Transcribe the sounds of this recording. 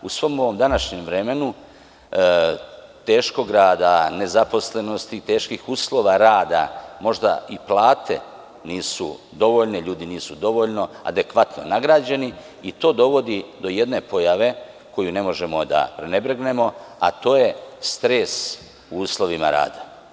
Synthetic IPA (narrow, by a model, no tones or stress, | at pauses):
usʋo̞moʋo̞md̪anaʃɲemʋɾe̞me̞nu | t̪e̞ːʃko̞ɡɾaːd̪ane̞zapo̞sle̞no̞st̪it̪e̞ːʃkixuːslˠo̞ːʋaɾaːd̪a̰mo̞ʒd̪a̰iplaːt̪ʰe̞̰ | niːsṵ | d̪o̞ʋo̞ʎne̞ʎuːd̪iniːsud̪o̞ʋo̞ʎno̞a̰d̪e̞kʋat̪no̞̰naɡɾaːd͡ʑe̞ni | it̪o̞ːd̪o̞ʋo̞d̪id̪o̞je̞d̪ne̞po̞jaʋe̞ | ko̞june̞mo̞ʒe̞mo̞d̪a̰pɾene̞bɾeɡne̞mo̞a̰t̪o̞ːje̞st̪ɾes | uuːslˠo̞ʋima̰ɾa̰ːd̪a